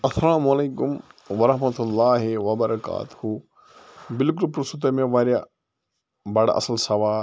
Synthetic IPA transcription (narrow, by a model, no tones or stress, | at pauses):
ɐsɐlaːmɐleːkʊmʋɐɾɐɦmɐt̪ulːaːɦiʋɐbɐɾɐka̰ːt̪u̥hu | bɪlkʊlpɾusut̪̬ɐmẽʋaːɾja | bɐɽaʔɐ̰sɐlsɐʋaː